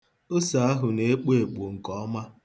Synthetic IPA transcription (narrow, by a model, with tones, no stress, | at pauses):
o˦sa˨a˦ɦʊ˨ne˦k͡pe˦e˨k͡po˨ŋ̩˨kɔ˨ɔ˦ma˦